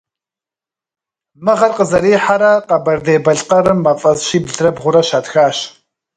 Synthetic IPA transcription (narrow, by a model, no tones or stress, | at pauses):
mɨʁɐrqəzɐɾiːħaɾɐqɐbɐrdeːbɐɮqɐɾɨmːɐfʼɐzʃiːbɮrɐbʁʷʊɾɐʃaːtxaːʃ